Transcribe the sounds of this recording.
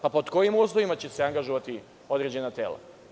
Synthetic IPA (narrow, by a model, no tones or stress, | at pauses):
papod̪ko̞jimuslˠo̞ʋimat͡ɕe̞seaŋɡaʒoʋat̪i | o̞d̪ɾe̞d͡ʑe̞nat̪e̞̰ːla̰